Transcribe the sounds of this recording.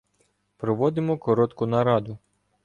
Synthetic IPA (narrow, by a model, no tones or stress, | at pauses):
pɾɔʋɔd̪ɪmɔkɔɾɔt̪kʊnɐɾɑd̪ʊ